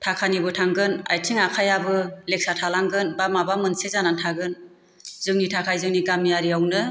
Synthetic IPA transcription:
tʰakʰanibɯtʰaŋɡɯna̰jtʰiŋakʰajabɯlek̚satʰalaŋɡɯnbamabamɯnsezanantʰaɡɯn | zɯŋnitʰakʰajzɯŋniɡamːijaɾiawnɯ

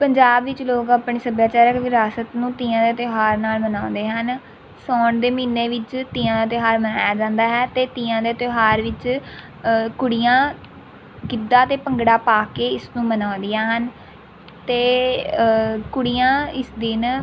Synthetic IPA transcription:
pəɲd͡ʒaːbʋɪt͡ʃloːkaːpɳeːsəbjaːt͡ʃaːɾəkʋɪɾaːsət̪nũːt̪iːãːd̪eːt̪ɪɦaːɾnaːlmənãːnd̪eːɦən | sɔːɳd̪eːmiːneːʋɪt͡ʃt̪iːãːd̪aːt̪ɪɦaːɾməna̰ːjaːd͡ʒãːnd̪aːɦɛːt̪eːt̪iːãːd̪eːt̪oɦaːɾʋɪt͡ʃ | kʊɽijãː | kɪd̪aːt̪eːpəŋɡɽaːpaːkeːɪsnũːmənãːnd̪ijãːɦən | t̪eː | kʊɽijãːɪsd̪ɪn

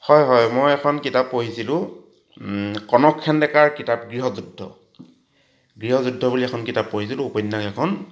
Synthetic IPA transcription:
hɔjɦɔjmojɛkʰɔnkitapːoɦisilʊ̃ | kɔnɔkʰːɛndɛkaɹkitap̚ɡɹiɦɔzudʱːɔ̰ | ɡɹiɦɔzudʱːɔbuliɛkʰɔnkitapːoɦisilʊ̃ːpɔjnːakɛkʰɔn

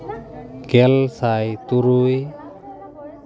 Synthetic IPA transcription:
ɡɛlsajt̪uɾuj

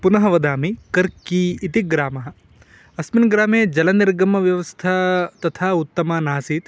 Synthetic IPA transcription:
punɐɦɐʋɐd̪aːmikɐɾkiːt̪iɡɾaːmɐɦɐ̆ | ɐsminɡɾaːmeːd͡ʒɐlɐniɾɡɐmɐʋjɐʋɐst̪ʰɐt̪ɐt̪ʰaːut̪ːɐmɐnaːsiːt̪

